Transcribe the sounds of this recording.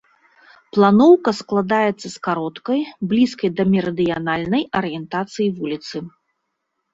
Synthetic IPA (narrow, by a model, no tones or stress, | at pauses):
plˠanɔwkɐsklˠad̪ajɛt̪sːɐskaɾɔt̪kɐjblʲiskɐjd̪ɐmʲɛɾɐd̪ɨjanalʲnɐjɐɾɨjɛnt̪at̪sɨjivulʲit̪sɨ